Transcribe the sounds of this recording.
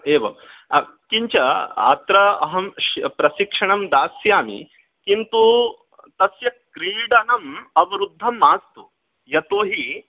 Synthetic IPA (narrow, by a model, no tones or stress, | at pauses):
eːʋɐ̰ | kiɲt͡ɕɐa̰t̪ɾɐɐ̰ɦɐmpɾɐʃikʂɐɳɐmd̪aːsjaːmḭ | kint̪u | t̪ɐsjɐkɾiːɽɐnɐmɐʋɐɾud̪ʱːɐmːaːst̪u | jɐt̪oːɦi